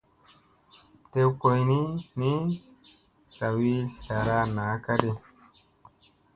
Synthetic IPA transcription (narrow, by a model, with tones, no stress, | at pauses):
te˦wko˨jni˦ni˦ | sa˨wi˦ɬa˨ɾa˦naː˨˦ka˦ɗi˦